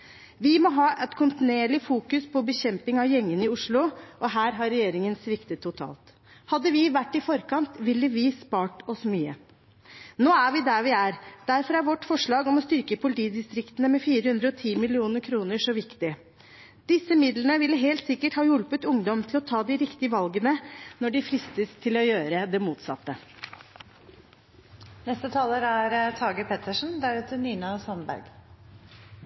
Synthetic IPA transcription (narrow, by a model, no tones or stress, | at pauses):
ʋɪmɔɦɑːʔɛt̪kʰʊnt̪ɪneːɭɪfuːkʉspʰɔbəçɛmpɪŋɑʋjɛŋːənɪʊʂɭʊʔɔɦæːɾɦɑɾɛjeːɾɪŋənsʋɪkt̪ət̪ʰːʊt̪ʰɑ̰ːlt̪ | hɑd̪ːəʋɪʋæʈːɪfɔɾkɑnt̪ʋɪlːəʋɪspɑːʈɔsmyːə | noːæɾʋɪd̪æɾʋɪæɾd̪̥æɾfɔɾæɾʋɔʈːfɔʂɭɑːɡɔmɔst̪ʏɾkəpʰʊlɪt̪ʰiːd̪ɪst̪ɾɪkt̪ənəmɛfiːɾəhʉnd̪ɾəɔt̪ʰiːmɪlɪuːnəɾkʰɾuːnəʂɔʋɪkt̪ɪ | d̪̥ɪsəmɪd̪lənəʋɪlːəɦɛːlt̪sɪkːəʈhɑːjʉlpət̪ʊŋd̪ɔmt̪ʰɪlɔt̪ʰɑːd̪ɪɾɪkt̪ɪəʋɑlɡənənɔɖɪfɾɪst̪əst̪ʰɪlɔjøːɾəd̪ɛmuːt̪sɑ̰t̪ːə | nɛst̪ət̪ʰɑːləɾæɾt̪ʰɑːɡəpʰɛt̪əʂn̩d̪æɾʉːt̪ʰəniːnɑsɑnbæ̰ɾɡ